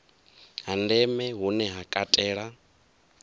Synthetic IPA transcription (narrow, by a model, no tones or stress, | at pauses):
ɦandɛmɛɦunɛɦakʼatʼɛːɺa